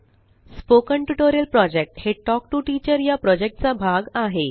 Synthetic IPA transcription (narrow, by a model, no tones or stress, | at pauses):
spokəɳʈjuʈoɾijəlpɾɔd͡ʑek̚ʈheʈɔk̚ʈuʈit͡ɕəɾjapɾɔd͡ʑek̚ʈ̚t͡sabʱaɡaɦe